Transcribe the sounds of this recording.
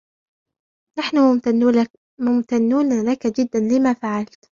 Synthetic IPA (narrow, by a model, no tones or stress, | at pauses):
naħnʊ | mʊmt̪anːuːnalakad͡ʒɪd̪ːanlɪmafaʕalt̪